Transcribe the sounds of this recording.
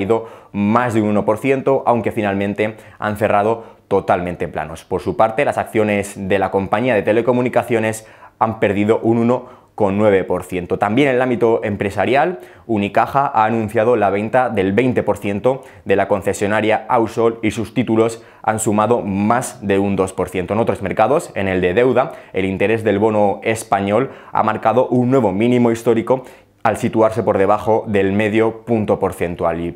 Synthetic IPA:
iðo̞mazðeununo̞po̞ɾθje̞nt̪oʔawŋke̞finalmẽ̞nt̪e̞ | a̰nθe̞rað̞o̞t̪o̞t̪almẽnt̪epla̰no̞spo̞ɾsupaɾt̪e̞lasakθjo̞ne̞zðe̞lako̞mpaɲiað̞e̞t̪e̞le̞ko̞mũnikaθjo̞ne̞sampe̞ɾð̞iðo̞ʔununo̞ | ko̞nːwe̞β̞e̞po̞ɾθje̞nt̪o̞t̪ambje̞nelãmbit̪o̞ʔe̞mpɾe̞saɾjal | unikaxaʔaːnũnθjað̞o̞laβ̞e̞nt̪aðe̞lβe̞jnt̪epo̞ɾθje̞nt̪o̞ | ðe̞lako̞nθe̞sjo̞naɾjaawsolisust̪it̪ulo̞s | a̰nsumaðo̞mazðe̞und̪o̞spo̞ɾθje̞nt̪onot̪ɾo̞zme̞ɾkað̞o̞se̞ne̞ld̪e̞ðe̞wðae̞lint̪e̞ɾe̞zðe̞lβo̞noe̞spaɲo̞l | a̰maɾkaðo̞ʔunːwe̞β̞o̞mĩnĩmo̞ist̪o̞ɾiko̞ | alsit̪uaɾse̞po̞ɾðe̞βaxo̞ðe̞lme̞ðjo̞punt̪o̞po̞ɾθe̞nt̪uali

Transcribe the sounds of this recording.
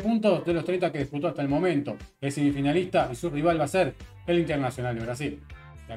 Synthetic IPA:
punt̪osðelost̪ɾejnt̪akeðisput̪̬o̞ast̪aelmo̞mẽnt̪o̞esimifinalist̪aisuriβ̞alβaseɾ | elint̪eɾnasjonald̪eβɾas̬il | a

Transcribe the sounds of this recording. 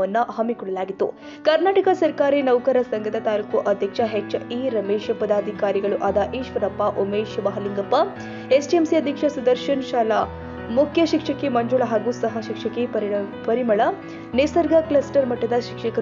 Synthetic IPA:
ʋɐnːuɦɐmːikɔɽɐlaːɡit̪ːṵ | kɐɾnaːʈɐkɐsɐɾkaːɾinɐʋkɐɾɐsɐŋɡɐt̪ɐt̪aːlukuʔɐd̪ʱjɐkʂɐɦekt͡ʃiːɾɐmeːʃɐpɐd̪aːd̪ʱikaːɾiɡɐɭuʔaːd̪ɐʔiːʃʋɐɾɐpːaʔomeːʃbɐɦɐliŋɡɐpːɐ | esʈiemsiɐd̪ʱjɐkʂɐsud̪ɐɾʃɐnʃaːla | mukʰjɐʃikʂɐkːemɐɲd͡ʒuɭɐɦaːɡuːsɐɦɐʃikʂɐkːepɐɾimɐɭɐ | nesɐɾɡɐklɐsʈɐɾmɐʈːɐd̪ɐʃikʂɐkɐ

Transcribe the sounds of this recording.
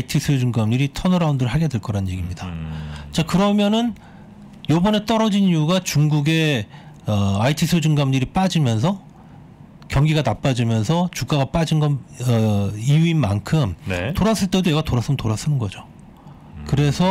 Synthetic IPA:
aitʰisʰɯd͡ʑuŋɡamɲiɾitʰʌnoɾaundɯɾɯɭhɦaɡe̞dwe̞ɭk͈ʌɾannjeɡimɲidat͡ɕ͈akɯɾʌmjʌnɯn | jʌbʌne̞t͈ʌɾʌd͡ʑinijuɡat͡ɕuŋɡuɡe̞ | ʌaitʰisʰɯd͡ʑuŋɡamɲiɾip͈ad͡ʑimjʌns̬ʰʌ | kjʌŋɡiɡanap͈ad͡ʑimjʌnsʰʌt͡ɕuk͈aɡap͈ad͡ʑinɡʌʌijuinma̰nkʰɯmn̰toɾas͈ɯɭt͈e̞dojeɡatoɾas͈ɯmntoɾas͈ɯnɯnɡʌd͡ʑo | kɯɾe̞sʰʌ

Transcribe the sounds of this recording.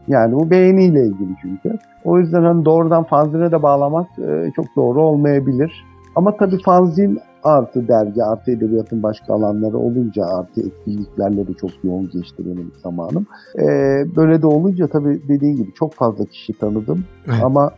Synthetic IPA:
jaːnibube̞jenijlʲɛilʲɟilʲit͡ʃʰyɲcʰy | o̞jyzd̪ænhanid̪o̞ːɾud̪anfanzinɛd̪ɛbaːlˠamakɯ̰t͡ʃʰo̞k̚d̪o̞ːɾuo̞lˠmajabilʲiɾ̥ | amat̪ʰabiːfanzin | aɾt̪ʰɯd̪æɾɟiaɾt̪ʰɯed̪ebijat̪ʰɯnbaʃkʰa̰ːlˠanlˠaɾɯ̰o̞̰lˠund͡ʒaaɾt̪ʰɯɛt̪̚cʰilːʲiclʲæɾlʲɛd̪ɛt͡ʃʰo̞kjo̞unɟɛt͡ʃt̪ʰḭɾelʲimz̥ama̰ːnɯmɛːbø̞jlʲed̪ɛo̞lˠund͡ʒat̪ʰabiːd̪e̞d̪iːnɟibit͡ʃʰo̞kfazlˠacʰi̥ʃit̪ʰanɯd̪ɯm | ama

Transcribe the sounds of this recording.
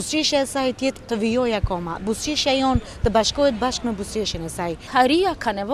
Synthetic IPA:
ust͡ʃiʃesajt̪it̪t̪əʋijɔjakɔmabusiʃajɔn | t̪əbaʃkɔet̪̚baʃkmebusiʃenesajhaɾijakʰaneʋ

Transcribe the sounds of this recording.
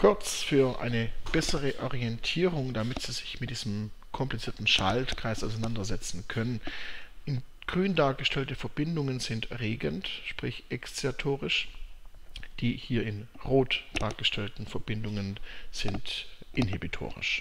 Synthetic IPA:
kʰʊɐt͡sfyːɐʔa̰ɪnəb̥ɛsəʁəʔɔʁiɛntʰiːʁʊŋdamɪtz̥iːzɪçmɪt̚d̥iːzəm̩kʰɔmplit͡siːɐtn̩ʃaltkʁ̥aɪsaʊsaɪnandɐzɛt͡sn̩kʰœnənʔɪn | ɡ̥ʁyːndaːɐɡəʃtʰɛltəfɛɐb̥ɪndʊŋənzɪntʁeːɡəntʃpʁ̥ɪçʔɛkst͡siatʰoːʁɪʃ | d̥iːhiːɐɪnʁoːtd̥aːɐɡ̥əʃtʰɛltn̩fɛɐb̥ɪndʊŋənz̥ɪntʔɪnhibitʰo̰ːʁɪ̰ʃ

